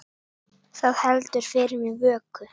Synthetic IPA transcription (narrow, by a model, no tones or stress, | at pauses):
θaðhɛlt̪ʏɾ̥fɪɾɪmivœːkʏ